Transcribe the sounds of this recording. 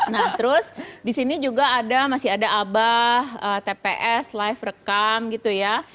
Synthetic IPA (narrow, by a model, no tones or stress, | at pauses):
naht̪əɾʊsdisinid͡ʒuɡaːdamasiadaʔabahəːt̪epeʔɛslajfrəkamɡit̪uja